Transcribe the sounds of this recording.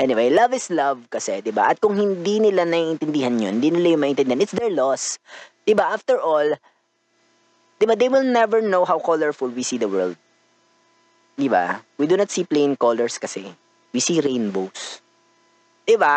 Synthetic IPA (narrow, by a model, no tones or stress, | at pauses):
ʔɛnɪwejlɐvɪslɐvkɐsɛd̪ɪba̰ʔɐt̪̚kʊŋhɪnd̪inɪlanɐiʔɪnt̪ɪnd̪ɪhɐnjo̰hɪnd̪inɪlajʊŋmɐʔɪnt̪ɛnd̪ɪhanɪt̪sd̪ɛɹlɔsd̪̥ɪbaʔaft̪ɛɹʔol | d̪̥ɪbad̪ejwɪlˠnɛvɛɹnowɦawkɔlɛɹfʊlwisid̪ɐwɛɹld̪̚ | d̪ɪba̰wid̪unɐt̪siplejɪ̃ŋkolɛɹskɐsɛ | wisiɾejnbows | d̪̥ɪba